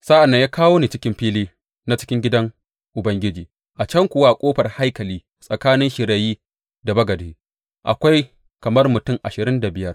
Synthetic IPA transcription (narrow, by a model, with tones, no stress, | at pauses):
sa˦ʔa˨nːa˦ɲjaː˦kaː˦woː˦ni˨t͡ʃɪ˦kʲɪ˦mɸiː˦liː˦ | na˦t͡ʃɪ˦kʲɪ˦ŋɡʲɪ˦dɐ˦ŋ | ʔʊ˨bɐ˦ŋɡʲɪ˦d͡ʒiː˨ | ʔa˨t͡ʃɐ˦ŋkʷʊ˨wa˦˨kʷʼoː˦ɸɐ˨rha˦jkɐ˨liː˦ | sʼɐ˨kaː˦nɪ˦nʃɪ˨ɾa˨jiː˦ | da˨bɐ˦ɡɐ˨deː˨˦ | ʔa̰˨kʷa˦j | kɐ˨mɐ˦rmʊ˨tʊ˦˨ŋʔa˨ʃɪ˨ɾɪ˦nda˨bɪ˨jɐ˦r